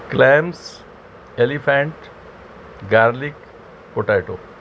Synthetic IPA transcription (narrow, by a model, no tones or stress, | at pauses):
klems | elifʰãɳʈ | ɡaɾlik | poʈajʈo